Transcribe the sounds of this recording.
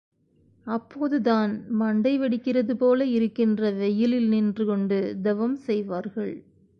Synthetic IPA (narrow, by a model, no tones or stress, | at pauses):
ɐpːoːðɯðaːnmɐɳɖɐɪʋɐɽɪkːɪrɐðɯpoːlɐɪɾɯkːɪndrɐʋɛjɪlɪlnɪndrɯkɔɳɖɯd̪ɛʋɐmsɛjʋaːɾɣɐɭ